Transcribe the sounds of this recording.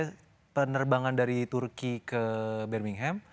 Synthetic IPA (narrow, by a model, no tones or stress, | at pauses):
pənərbaŋandaɾit̪urkikəbɛrmiŋɦɛm